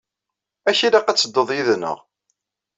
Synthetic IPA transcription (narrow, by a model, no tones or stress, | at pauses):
æçilaqæt͡sːəd̪ːoðˤjiðnə̰ʁ